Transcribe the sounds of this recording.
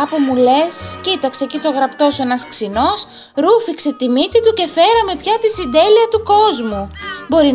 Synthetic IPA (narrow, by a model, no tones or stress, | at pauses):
ɐpumule̞scit̪ɐksecit̪o̞ɣɾɐpt̪o̞sue̞nɐsksino̞s | ɾufikse̞t̪imit̪it̪uce̞fe̞ɾɐme̞pçɐt̪isind̪e̞liɐt̪uko̞zmubo̞ɾi